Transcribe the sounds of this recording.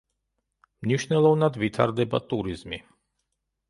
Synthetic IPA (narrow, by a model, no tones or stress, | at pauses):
mniʃnɛlˠɔvnad̪vit̪ʰa̰ɾd̪ɛba̰t̪ʼuɾizmi